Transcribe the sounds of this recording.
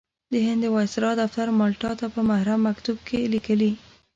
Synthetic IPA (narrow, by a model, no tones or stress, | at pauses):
d̪əɦɪnd̪əwɑsɪɾɑd̪aft̪aɾmɑlʈɑt̪apəmahɾamːakt̪ub̚kʰelikəli